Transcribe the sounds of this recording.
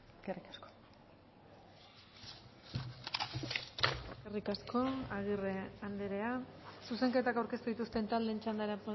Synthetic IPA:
ɡerikasko̥ | ɡerikasko̞aɣ̞ireand̪eɾe̞asuse̞ŋke̞t̪akawɾke̞st̪uðit̪ust̪ent̪ald̪e̞ːnt͡ʃand̪aɾepo

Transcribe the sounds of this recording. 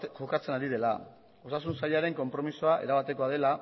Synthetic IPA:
ʝokat͡se̞naɾiðe̞la̰ | o̞sasunsaʎaɾe̞ŋko̞mpɾo̞misoaʔe̞ɾaβat̪e̞koað̞e̞la

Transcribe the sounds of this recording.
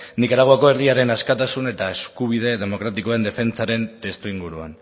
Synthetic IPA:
nikaɾaɣ̞oako̞eriaɾe̞naskat̪asune̞t̪ae̞skuβ̞ið̞e̞ðe̞mo̞kɾat̪iko̞ae̞nd̪e̞fe̞nt͡saɾe̞nt̪e̞st̪uiŋɡuɾua̰n

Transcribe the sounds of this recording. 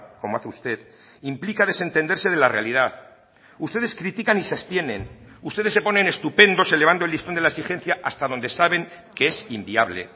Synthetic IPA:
ko̞moaθeust̪e̞ð | implikaðe̞se̞nt̪end̪e̞ɾse̞ð̞elare̞alið̞að | ust̪eðe̞skɾit̪ikanisost̪je̞nẽ̞̰nust̪eðsːe̞po̞nẽ̞ne̞st̪upe̞nd̪o̞se̞leβand̪old̪ist̪ond̪elaesixe̞n̟θjaʔast̪aðo̞nd̪e̞saβ̞e̞ŋkeesimbiaβle̞̰

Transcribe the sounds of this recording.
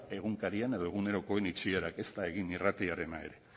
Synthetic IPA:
e̞ɣuŋkaɾiane̞ð̞o̞e̞ɣ̞une̞ɾo̞ko̞e̞nit͡ʃieɾake̞st̪ae̞ɣ̞inirat̪iaɾe̞nae̞̰ɾe̞

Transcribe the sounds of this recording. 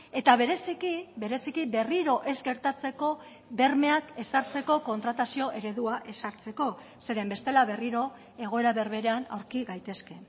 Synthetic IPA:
e̞t̪aβe̞ɾe̞sikibe̞ɾe̞sikibe̞riɾo̞ʔe̞zɡe̞ɾt̪at͡se̞ko̞ | be̞ɾme̞ake̞saɾt͡seko̞ko̞nt̪ɾat̪asio̞ʔe̞ɾe̞ðuaʔe̞saɾt͡se̞ko̞ | se̞ɾe̞mbe̞st̪e̞laβe̞riɾo̞ | e̞ɣ̞o̞e̞ɾaβe̞ɾβe̞ɾeana̰wɾkiɣajt̪e̞ske̞

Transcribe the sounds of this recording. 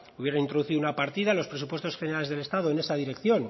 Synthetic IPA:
uβje̞ɾanint̪ɾo̞ðuθiðunapaɾt̪iðalo̞spɾe̞supwe̞st̪o̞sxene̞ɾale̞zðele̞st̪aðoene̞saðiɾe̞kθjo̞n

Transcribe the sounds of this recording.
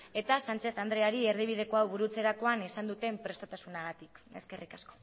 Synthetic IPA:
e̞t̪asant͡ʃe̞θand̪ɾe̞aɾie̞ɾðiβ̞ið̞e̞ko̞awβuɾut͡se̞ɾako̞anisand̪ut̪e̞mpɾe̞st̪at̪asunaɣ̞at̪ike̞ske̞rʔikasko̞̥

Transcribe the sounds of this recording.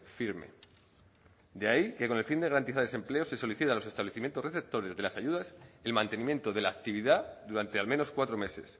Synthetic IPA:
fiɾme̞̰ | d̪eaike̞ko̞ne̞lfind̪e̞ɣaɾant̪iθaɾesemple̞ose̞so̞liθit̪alo̞se̞st̪aβle̞θimje̞nt̪o̞reθe̞p̚t̪o̞ɾe̞zðe̞lasaʝuðase̞lmãnt̪e̞nĩmje̞nt̪o̞ðe̞laːk̚t̪iβ̞iðaðuɾant̪e̞almẽ̞no̞skwat̪ɾo̞me̞se̞̰s

